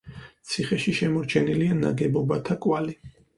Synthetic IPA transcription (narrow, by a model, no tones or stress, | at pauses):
t̪sʰiχɛʃiʃɛmɔɾt͡ʃʰɛniliana̰ɡɛbɔbat̪ʰakʼwali